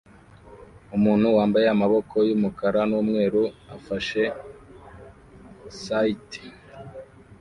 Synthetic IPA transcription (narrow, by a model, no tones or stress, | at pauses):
umuːnhuwaːmbaje̞amaβo̞kʰo̞jumukaɾanuːmŋe̞ːɾua̰faʃe | saite̥